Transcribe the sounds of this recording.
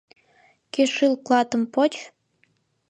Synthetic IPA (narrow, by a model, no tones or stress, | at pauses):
keʃɨlklɑt̪ɤ̆mpot͡ɕ